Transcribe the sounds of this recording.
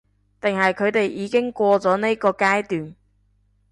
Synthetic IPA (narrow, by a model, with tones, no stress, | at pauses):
t̪ɪ˨ŋhɐ˨jkʰɵ˨˧ɥt̪e˨jʔiː˨˧kɪ˥ŋkʷɔː˧t͡sɔː˨˥ne˥kɔː˧kaː˥jt̪yː˨˩n